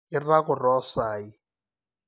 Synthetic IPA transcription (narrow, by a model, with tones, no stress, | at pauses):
ɪ˦ra˦kʊ˨rɔ˦saː˨ji˨